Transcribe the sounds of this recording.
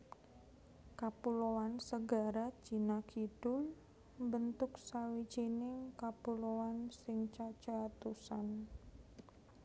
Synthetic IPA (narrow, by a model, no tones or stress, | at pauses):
kapuloansəɡaɾḁt͡ʃinakid̥ʊl | bənt̪ʊksawid͡ʒinɪŋkapuloansɪŋt͡ʃat͡ʃat̪usan